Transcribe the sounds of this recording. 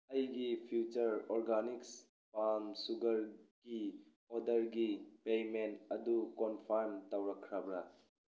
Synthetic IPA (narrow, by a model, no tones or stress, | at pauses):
ɐjɡipʰjut͡ʃɐɾɔɾɡaniks | pamsuɡɐɾɡ̥i | ɔdɐɾɡipejmentɐdukɔnpʰaɾmtɐwɾɐkʰːɾɐbɾɐ